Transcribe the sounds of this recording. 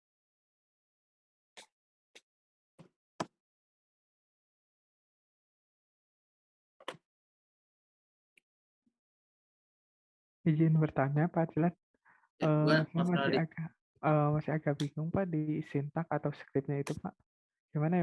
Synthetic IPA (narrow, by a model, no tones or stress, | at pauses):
id͡ʒɪnbərt̪aɲapatd͡ʒilan | əːamasiaɡa | əmasiaɡabiŋʊŋpaʔdisint̪akat̪awsə̥kɾɪp̚ɲait̪upa̰ʔ | ɡ̥imana